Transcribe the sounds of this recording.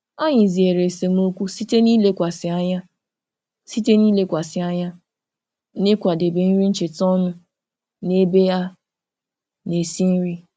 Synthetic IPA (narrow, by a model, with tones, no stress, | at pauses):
a˦ɲɪ˨zi˨e˨ɾe˨se˨m˦o˦kʷu˦si˦te˦niː˦le˦kʷa˨sɪ˨a˦ɲa˦ | si˦te˦ni˦le˦kʷa˨sɪ˨a˦ɲa˦ | ne˦kʷa˨de˨be˨n̩˦ɾi˦n̩˦t͡ʃe˨tɔ˦nʊ˦ | ne˦be˦a˦ | ne˨si˦n̩˦ɾi˦